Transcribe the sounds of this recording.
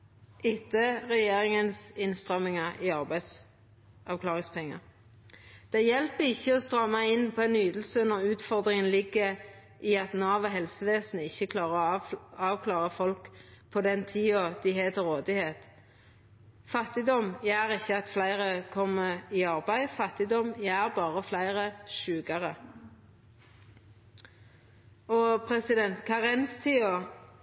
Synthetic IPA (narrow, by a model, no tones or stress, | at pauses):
ʔɪt̪ʰəʁɛjeːʁɪŋənsɪnst̪ʁœmːɪŋɑiɑʁbæɪs | ɑʋkʰlɑːʁɪŋspʰɛŋːɑ̰ | d̪̥æɪjɛlpəɪçːəɔst̪ʁɑmːɑɪnːpʰɔɛnyːd̪l̩sənɔʁʉːt̪fɔʁd̪ʁɪŋənlɪɡːə | ʔiɑt̪nɑːʋɔɦɛlsəʋeːsnəɪçːəkʰlɑːʁəɑːʋkʰlɑːʁəfɔlkpʰɔd̪ɛnt̪ʰiːɔd̪̥ɪheːt̪ɔʁoːd̪ɪheːt̪ | fɑt̪ːɪd̪ɔmjæːʁɪçːəɑt̪flæɪʁəkʰɔmːəɪɑʁbæɪfɑt̪ɪd̪ɔmjæːʁbɑːʁəflæɪʁəʃʉːɡɑʁə | ɔpʰʁɛsɪd̪ɛnt̪kʰɑːʁɛnst̪ʰiːo